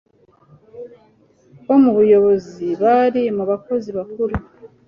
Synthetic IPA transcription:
βo̞muβujo̞βo̞ziβaɾimuβako̞ziβakuɾu

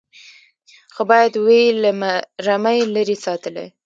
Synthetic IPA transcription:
xobɑjad̪welamaɾamajlaɾesɑt̪əlḛ

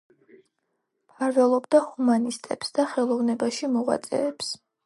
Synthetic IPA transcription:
pʰaɾvɛlˠɔbd̪ahumanist̪ʼɛ̰psd̪aχɛlˠɔvnɛbaʃimɔʁwa̰t̪sʼɛ̰ːps

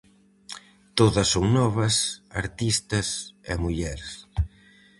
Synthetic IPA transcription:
t̪oðɐsːoŋnɔβɐsa̰ɾt̪ist̪ɐsḛmuʎɛɾs

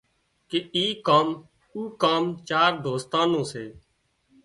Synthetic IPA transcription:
keiːkaːm | uːkaːmt͡ʃaːɾd̪ʱoːst̪ãːnõːseː

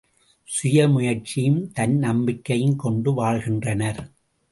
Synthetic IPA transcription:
sʊjɐmʊjɐɾt͡ʃɪjɯmt̪ɐnnɐmbɪkːɐjɯnkɔɳɖɯʋaːɭɣɪndrɐnɐɾ

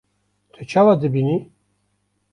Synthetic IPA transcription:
t̪ʰat͡ʃʰawad̪ɨbini

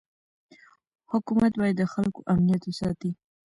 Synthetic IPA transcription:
hʊkumat̪bɑjad̪ːəxalkoʔamnijat̪wesɑt̪i

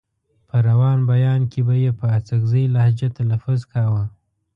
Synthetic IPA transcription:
pʰəɾawɑnbajɑnkebajepəat͡saɡzəjlahd͡ʒat̪alafʊzkʰɑwə

